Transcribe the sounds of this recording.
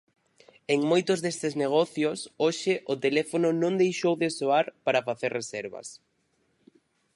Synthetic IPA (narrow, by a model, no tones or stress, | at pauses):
eŋmojt̪ʊzðest̪ɪzneɣ̞ɔθjʊsoʃɪʔʊt̪elɛfonʊnõŋd̪ejʃowðɪsoaɾpaɾafaθerrʔesɛɾβɐ̰s